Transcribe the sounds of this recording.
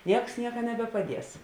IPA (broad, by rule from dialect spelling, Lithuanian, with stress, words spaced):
ˈnʲiɛks ˈnʲiɛkɐ nʲɛbʲɛpɐˈdʲiɛs